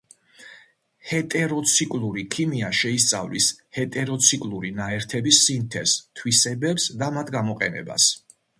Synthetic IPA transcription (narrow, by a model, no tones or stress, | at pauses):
hɛt̪ʼɛɾɔt̪sʰikʼlˠuɾikʰimiaʃɛist̪sʼa̰vlishɛt̪ʼɛɾɔt̪sʰikʼlˠuɾinaɛɾt̪ʰɛbisːint̪ʰɛst̪ʰwisɛbɛpsd̪amat̪ʰɡamɔqʼɛnɛ̰ba̰s